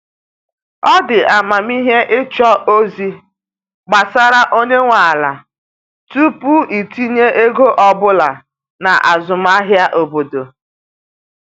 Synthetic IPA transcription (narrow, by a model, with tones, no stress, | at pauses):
ɔ˦dɪ˨a˨ma˨mi˦ɦe˦ʔɪ˦t͡ʃɔ˦o˦zi˦ | ɡ͡ba˨sa˦ɾa˦ʔo˦ɲe˦ŋʷa˨la˨ | tu˦pu˦i˨ti˦ɲe˦ʔe˦ɡo˦ʔɔ˦bʊ˦la˨ | na˨ʔa˨zʊ˨m̩˦a˦ɦja˦ʔo˨bo˨do˨